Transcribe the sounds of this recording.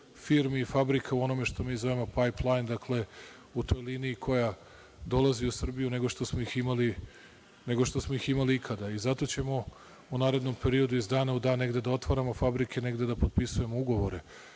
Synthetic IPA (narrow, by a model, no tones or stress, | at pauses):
fiɾmiːfabɾikʰauo̞no̞meʃt̪o̞miːzo̞ʋemo̞pajplˠajnd̪akle̞ | ut̪o̞jliniːkʰo̞ja | d̪o̞lˠaziusr̩bijune̞ɡo̞ʃt̪o̞smoiximali | ne̞ɡo̞ʃt̪o̞smo̞iximaliikʰad̪aizat̪o̞t͡ɕe̞mo̞ | unaːɾe̞d̪no̞mpe̞ɾio̞d̪uizd̪aːnaud̪aːnːe̞ɡd̪e̞d̪ao̞t̪ʋaɾamo̞fabɾikʰe̞ne̞ɡd̪e̞d̪apot̪̚pisuje̞mouɡo̞ʋo̞ɾe